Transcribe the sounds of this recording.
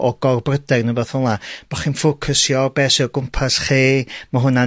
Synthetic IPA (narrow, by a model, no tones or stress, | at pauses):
ʔɔɡ̥ɔrbrədɛɡnəbɛθɔlˠab̥ɔχinfʊkʰəsjɔrbɛːsiɔɡʊmpʰasχiːmaɦʊna